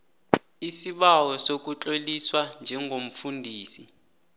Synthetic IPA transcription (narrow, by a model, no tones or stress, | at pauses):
isiɓawɔsok̬ut͡ɬʼoliswand͡ʒʱɛŋʱom̩fundʱiːsi